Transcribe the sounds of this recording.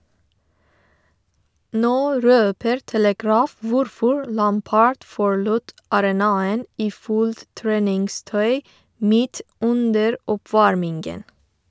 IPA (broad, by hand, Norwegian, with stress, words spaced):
ˈnoː ˈɾøːpəɾ tɛləˈɡɹɑːf ˈʋʊɾfɔɹ ˈlɑmpɑɹɖ ˈfɔɹɭʊt ɑɾɛˈnɑːən ˈiː ˈfuːlt ˈtɹeːnɪŋˌstœʏ ˈmiːt ˈʉndəɾ ɔˈpʋɑɹmɪŋɡən